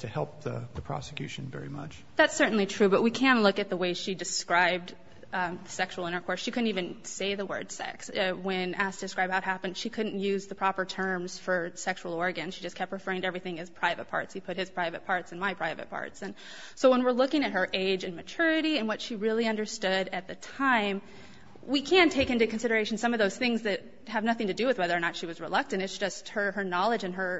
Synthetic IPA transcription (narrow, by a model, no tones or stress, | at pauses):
tʰɨhɛ̰lˠp̚ðə̰ðɨpʰɹ̥ɑ̰sɨ̥kj̥ʉ̰ʃɨ̃nvɛ̰ɹimʌ̰t͡ʃ | ðætsɜ˞ʔn̩litʰɹ̥ʉbʌʔ̚wikʰæ̃nʔlʊkɨt̪̚ðəweɪʃidɨskɹaɪb̚d | ðəsɛkʃuwl̩ˠɪ̃ɾ̃ə˞kʰɔɹsʃikʰʊdⁿn̩tivɨ̃nseɪðəwɜ̰˞d̥sɛ̰kswɨ̃næstʰɨdɨskɹaɪbhaʊt̚ɦæpɨ̃nd̥ʃikʰʊdⁿn̩tjʉzðɨpʰɹ̥ɑpə˞tʰɜ̃˞mz̥fə˞sɛkʃuwl̩ˠɔɹɡɨ̃nʃid͡ʒʌskʰɛp̚t̚ɹ̥ɨfɜ˞ɪ̃ŋtɛvɹiθɪ̃ŋɨz̥pʰɹ̥aɪvɨ̰t̚pʰɑ̰ɹtshipʰʊt̚hɨz̥pʰɹ̥aɪvɨ̰t̚pʰɑɹtsɨ̃n̩maɪpʰɹ̥aɪvɨ̰t̚pʰɑ̰ɹtsɨ̃n | soʊwə̃nwəɹlʊkɪ̃ŋɨt̚ɦə˞ʔeɪd͡ʒɨ̃nmɨt͡ʃʰʊɹɨɾiɨ̃nwʌtʃiɹɪlˠiʌ̃ndə˞stʊɾɨt̪̚ðɨtʰãɪ̃m | wikʰæ̃ntʰeɪkɪ̃ntʉkɨ̃n̩sɪɾə˞eɪʃn̩sʌ̃mʌvðoʊz̥θɪ̃ŋzðɨt̚ | hɨvnʌθɪ̃ŋtɨdɨwɨðwɛðə˞ːnətʃiwʌzɹəlʌk̚tɨ̃ntɨtsd̥ʒ̥ʌst̚hə˞ə˞nɑlˠəd͡ʒɨ̃nə˞